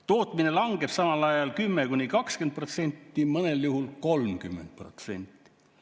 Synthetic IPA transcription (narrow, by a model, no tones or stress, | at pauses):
t̪o̞ːt̪ˑmine̞lɑŋɡ̥e̞b̥sɑmɑlɑjɑlkymːekunikɑkskent̪̚pro̞t̪se̞nʲt̪ːˑimɤne̞ljuɦulko̞lmkymːe̞nt̪̚pro̞̰t̪se̞̰nʲt̪ˑːi̥